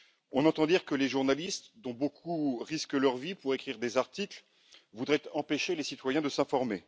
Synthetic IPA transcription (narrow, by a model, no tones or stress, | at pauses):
ɔ̃nɑ̃t̪ɑ̃d̪iʁkəleʒuʁnalist̪d̪ɔ̃bokʰuʁiskəlœʁvipuʁekχiʁd̪ezaʁt̪ikl | vud̪ʁɛt̪ɑ̃peʃelesit̪wajɛ̃d̪əsɛ̃fɔʁme